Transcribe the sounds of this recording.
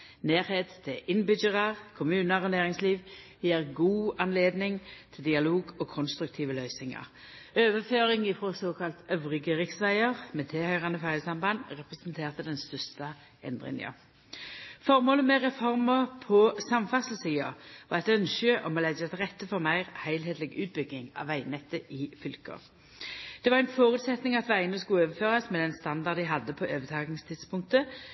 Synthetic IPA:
neːʁheːt̪t̪ʰːɪʔɪnbʏd͡ʒəʁɑʁkʰʊmʉːnəʁonæːʁɪŋsliːʋ | jeːʁɡuːɑnleːd̪nɪŋt̪ʰɪld̪ɪɑloːɡɔkʰɔnst̪ɾʉk̚t̪ʰiːʋəlœʏsnɪŋɑ̰ʁ | øːʋəføːʁɪŋɪfʁosoːkʰɑlt̪ʰœʋʁɪɡəʁɪksʋæɪəʁmɛt̪ʰeːhœʏʁɑnəfɑɾəsɑmbɑnd̪ʁɛpʁɛsənt̪ʰeːʁt̪əd̪ɛnst̪œʁst̪ə | ʔɛ̰nd̪ʁɪ̰ŋə̰ | fɔʁmoːləmɛʁɛfɔʁməʁpʰɔsɑmfɑsl̩siːɑʋɑ̰ʁɛt̪œnʃəʔɔmɔlædɛt̪ʁɛt̪ːəfɔʁmæɪʁhæɪlheːt̪lɪɡʉ̰ːt̪̚bʏɡːɪŋɑ̰ːʋæɪnɛt̪ːəʔɪfʏlkə̰ʁ | d̪̥ɛʋɑʁæɪnfoːʁʉːt̪sɛt̪nɪŋɑt̪ʋæɪənəskʉøːʋəføːʁɑsmɛd̪ɛnst̪ɑnd̪ɑʁd̪ɪɦɑd̪ːəpʰɔʔøːʋət̪ʰɑːɡnɪŋst̪ʰɪd̪spʰʊŋk̚t̪ə

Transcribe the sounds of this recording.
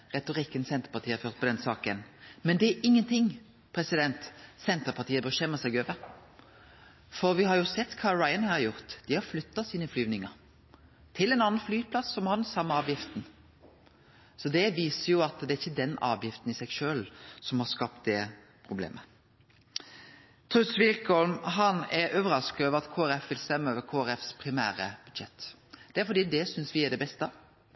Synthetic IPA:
ʁɛt̪ʊʁɪkːənsɛnt̪əɾpɑʁt̪iːɑɾføːʁt̪̚pʰɔd̪ɛnsɑːkənmɛnd̪ɛæɾʔɪŋːənt̪ʰɪŋ | pʰʁɛsɪd̪ɛnt̪sɛnt̪əɾpʰɑʁt̪iːəbəʃɛmːəsæɡøːʋə | fɔɾʋɪhɑɾjʊsɛt̪ːkʰɑːɾɑɪənhɑɾjʊʁt̪d̪̥ɪhɑɾflʏt̪ːɑsiːnəflyːʋnɪŋəɾ | t̪ʰɪlɛnɑːnənflyːpʰlɑsːɔmhɑnsɑmːəɑːʋjɪft̪n̩ | sɔd̪ɛʋiːsəjʊɑt̪d̪ɛæɾɪçːəd̪ɛnɑ̰ːʋjɪft̪n̩ɪsɛɡʃøːlsɔmhɑskɑp̚t̪̚d̪ɛ | pʰɾʊblḛːmʔə | t̪ʰɾʉsʋɪlkɔlmɦɑnɛɾʔøːʋəɾɑskøːʋəɾɑt̪kʰoːæɾɛfʋɪlst̪ɛmːəøːʋəɾkʰoːæɾɛfspʰɾɪmæːɾəb̥ʉd̪ʃɛt̪ː | d̪̥ɛæɾfɔd̪iːd̪ɛsʏnsʋɪæd̪ɛbɛst̪ə

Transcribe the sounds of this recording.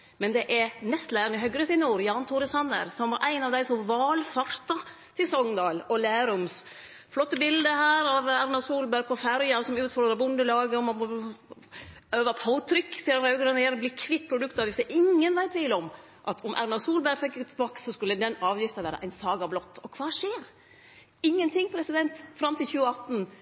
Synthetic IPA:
mɛnd̪ɛʔɛɾnɛst̪læːɾənɪɦœɡɾəsɪnuːɾjɑːɾnt̪ʰuːɾəsɑnːə̰ɾsɔmʋɑɾʔæɪnɑʋd̪æɪsɔmʋɑːlfɑɾt̪ɑ | t̪ʰɪlsɔŋd̪ɑːlɔlæːɾʊms | flɔt̪ːəbɪld̪əɦæːɾɑʋæɾnɑsuːlbæɾpʰɔfæɾjɑsɔmʉːt̪fɔɾd̪ɾɑbʊnd̪əlɑːɡəɔmɔ | øːʋɑpʰaʊt̪ʰɾʏkːsiːɾɾɑʉɡɾɑnjɛɾbliːkʰʋɪt̪̚ːpʰɾʊd̪ʉk̚t̪ɑːʋjɪft̪əʔɪŋːənʋæɪt̪ʋɪːlːəɔm | ʔɑt̪ʰɔmʔæ̰ɾnɑsuːlbæɾfɛkːɪɡət̪ʰɪbɑːksɔskʉlːəd̪ɛnɑːʋjɪft̪ɑʋæːɾə̰ʔæɪnsɑːɡɑblɔt̪ːɔkʰʋɑːʂeːɾ | ɪŋːənt̪ʰɪŋːpʰɾɛsɪd̪ɛnt̪fɾɑmt̪ɪlçʉːəɑt̪n̩

